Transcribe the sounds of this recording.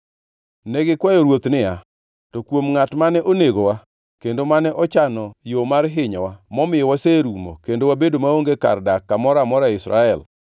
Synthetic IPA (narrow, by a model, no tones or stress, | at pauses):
nɛɡɪkwajɔɾwot̪nɪa | tokwomŋatmanɛʔoneɡowa | kendomanɛʔɔt͡ʃanɔjomaɾɦɪɲɔwamɔmɪjɔwaseɾumo̰kendowabedomaoŋɡeka̰rdakːamɔɾamɔɾaɪsɾa̰ɛl